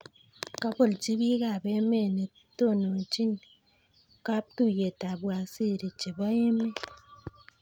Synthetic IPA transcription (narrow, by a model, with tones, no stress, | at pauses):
ka˦bo˦˨lt͡ʃi˦bi˦ɣa˦˨be˦me˦˨ne˨ | to˦˨no˨t͡ʃi˦n | ka˦p̚tu˦˨je˨ta˨bwa˨si˦˨ɾi˨t͡ʃe˨ba˦e˦me˦